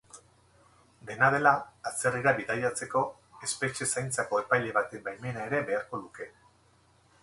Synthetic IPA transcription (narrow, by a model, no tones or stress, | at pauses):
d̪e̞nað̞e̞laat͡se̞riɾaβiðajat͡se̞ko̞ | e̞spe̞t͡ʃe̞sajnt͡sako̞e̞pajʎe̞βat̪embajme̞nae̞ɾe̞βe̞aɾko̞luke̞